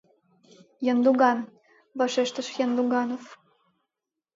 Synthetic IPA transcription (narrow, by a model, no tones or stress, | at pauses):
jənd̪uɣɑn | vɑʃeʃt̪ə̆ʃjɑnd̪uɡɑnof